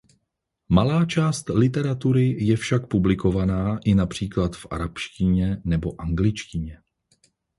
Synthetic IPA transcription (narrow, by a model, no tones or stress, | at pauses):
malaːt͡ʃaːst̪lɪt̪ɛɾat̪uɾɪjɛfʃak̚publɪko̞vanaːʔɪnapr̝̥iːklat̪fʔa̰ɾapʃcɪɲɛnɛbo̞ʔaŋɡlɪt͡ʃcɪɲɛ